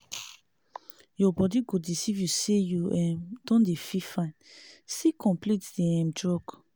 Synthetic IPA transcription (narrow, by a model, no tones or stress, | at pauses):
jɔbɔdiɡodisivjusejuɛ̃dɔ̃ndefifãnsikʰɔ̃mplitdeɛ̃mdɹɔk